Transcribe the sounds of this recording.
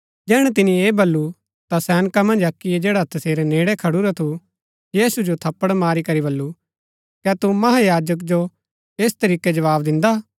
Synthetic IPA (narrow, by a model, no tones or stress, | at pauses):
d͡ʒɛːɽ̃ɛt̪̬ɪnĩeːbɐlːu | t̪asɛːnəkamɐ̃nd͡ʒɐkːijed͡ʒeːɽat̪ɐseːɾeneːɽekʰɐɽuɾat̪ʰu | jiːsud͡ʒot̪ʰɐpːəɽmaːɾikɐɾibɐlːu | kɛt̪umɐɦajaːd͡ʒək̬d͡ʒo | eːst̪ɐɾiːked͡ʒɐʋaːbd̪ɪ̃nd̪aː